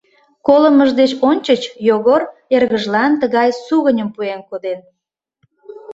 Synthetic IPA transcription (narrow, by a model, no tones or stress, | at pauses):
koləməʒd̪et͡ɕonʲt͡ɕət͡ɕjoɣorerɣəʒlɑnt̪əɣɑjsuɣənʲəmpuenkod̪en